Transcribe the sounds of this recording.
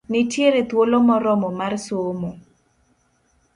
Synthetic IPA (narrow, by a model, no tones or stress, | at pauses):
nɪtjeɾet̪wolomɔɾɔmɔmarsomo